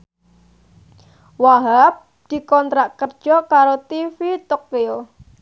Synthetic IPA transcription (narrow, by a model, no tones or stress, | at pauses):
waɦap̚ | d̪̥i̤kɔnt̪ɾaʔkərd͡ʒ̥ɔkaɾot̪ifit̪ɔkːio